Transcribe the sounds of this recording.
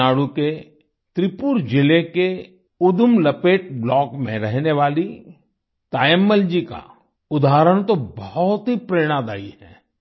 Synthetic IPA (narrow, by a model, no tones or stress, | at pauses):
aːɽuke | t̪ɾɪpuɾd͡ʒɪleke | ʊd̪ʊmlɐpeːʈblɔːkmḛ̃ɾɛɦneʋaːli | t̪aːjəmːəld͡ʒika̰ | ʊd̪aːɾəɽ̃t̪obɔɔt̪ɦipɾeːɽ̃ad̪a̰ːiɦɛː